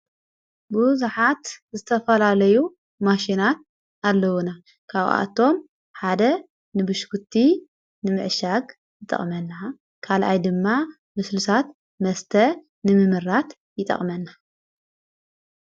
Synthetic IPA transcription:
buzuħat̪zɨt̪ʰɐfɐlalɐju | maʃinat̪̚ | alːɐwuna | kʰaβa̰t̪ʰo̞m | ħad̪ɐ | nɨbɨʃkʰut̪ʰːi | nɨmɨʕʃaɡ | jɨt̪ʼɐ̰χʼmɐnːa | kʰalʔajd̪ɨmːa | mɨslusat̪ | mɐst̪ʰɐ | nɨmɨmɨɾːat̪ | jɪt̪ʼɐ̰χʼmɐnːa

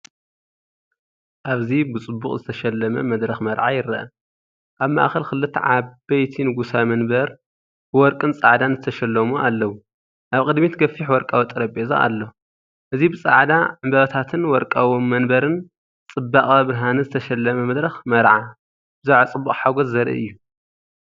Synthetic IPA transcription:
ʔaβzibɨt͡sʼɨbːṵχʼzɨt̪ʰɐʃɐlːɐmɐ̰mɐd̪ɾɐxmɐɾʕajɪɾɐʔɐ | ʔaβma̰ʔxɐlkɨlːɨt̪ʰːʕabɐjt̪ʰinɨɡusamɐnbɐɾ | bɨwɔɾkʼɨnt͡sʼaʕd̪anzɨt̪ʰɐʃɐlːɐmualːɐwu | ʔaβkʼɨd̪mit̪ɡɐfiħwɔɾkʼawt̪ʼɨɾɐbeza̰a̰lːo | ʔɨzibɨt͡sʼaʕd̪aʕɨmbɐβɐt̪ʰat̪ʰɨnwɔɾkʼawmɐnbɐɾɨn | t͡sʼɨbːaχʼɐβɾɦanɨzɨt̪ʰɐʃɐlːɐmɐmɐd̪ɾɐxmɐɾʕa | b̥ɨzuʕt͡sʼɨbːuχʼħaɡɔzːɐɾɐ̰ʔɨ̰jːu

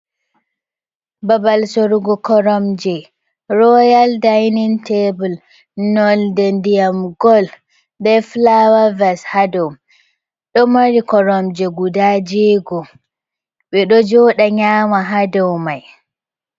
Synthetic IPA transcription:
babalsoɾuɡɔkɔɾɔmd͡ʒɛ | ɾɔjaldajnintʰebul | nɔldɛndijamɡɔl | dɛflawavɛshadɔwm | ɗɔmaɾikɔɾɔmd͡ʒɛɡudad͡ʒɛɡɔ | ɓɛɗɔd͡ʒɔːɗaɲaːmaɦadɔwmaj

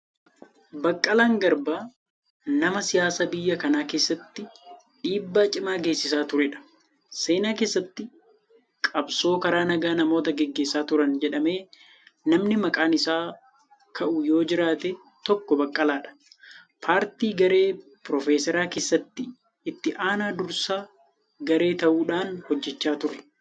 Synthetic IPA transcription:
bɐkʼːɐlaːŋɡɐɾbaː | nɐmɐsɪjaːsɐbɪjːɐkɐnaːke̞ːsːɐt̪ːɪ | ɗiːbːaːt͡ʃʼɪmaːɡe̞ːsːɪsaːt̪ʊɾɛᶑɐ̥ | se̞ːnaːkeːsːɐt̪ːɪ | kʼɐbso̞ːkɐɾaːnɐɡaːnɐmo̞ːt̪ɐɡɛɡːe̞ːsːaːt̪ʊɾɐnd͡ʒɛᶑɐme̞ː | nɐmnɪmɐkʼaːnɪsaː | kʰɐʔʊjo̞ːd͡ʒɪɾaːt̪e | t̪ɔkːɔbɐkʼːɐlaːᶑɐ̥ | pʰaːɾt̪iːɡɐɾe̞ː | pɾɔfeːsɛɾaːke̞ːsːɐt̪ːɪː | t̪ːɪʔaːnaːd̪ʊɾsaː | ɡɐɾe̞ːt̪ɐʔuːᶑaːnhɔd͡ʒːɛt͡ʃːaːt̪ʊɾɛ̥

